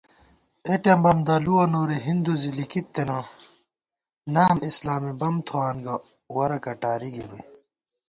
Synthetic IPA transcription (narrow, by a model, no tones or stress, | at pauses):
eʈɐmbɐmd̪ɐluwɐnoːɾeɦind̪uzilikit̪ːena | naːmislaːmibɐmt̪ʰoaːnɡɐ | wɐɾɐkɐʈaːɾiɡiɾṵ